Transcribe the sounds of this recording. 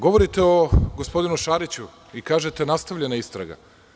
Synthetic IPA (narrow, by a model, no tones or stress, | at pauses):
ɡo̞ʋo̞ɾit̪e̞oɡospo̞d̪inuʃaːɾit͡ɕu | ikaːʒe̞t̪e̞nast̪aʋʎenaist̪ɾa̰ɡa̰